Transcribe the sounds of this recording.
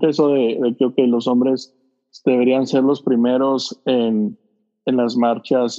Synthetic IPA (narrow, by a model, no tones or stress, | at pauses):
kesoðe̞ðe̞keoke̞jlo̞so̞mbɾe̞s | d̪e̞βe̞ɾianse̞ɾlo̞spɾime̞ɾo̞sen | enlazmaɾt͡ʃas